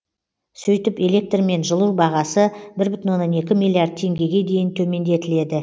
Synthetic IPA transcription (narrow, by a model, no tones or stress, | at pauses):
sɵjt̪ɪpe̞le̞k̚t̪rme̞nʒəlˠuwbɑʁɑsəbɪɾbʏt̪ɪnwonːɑne̞kʲɪmilʲˠiard̪̚t̪ʰe̞ŋɡʲe̞ɡʲe̞d̪e̞jɪnt̪ʰɵme̞nd̪e̞t̪ɪle̞d̪ɪ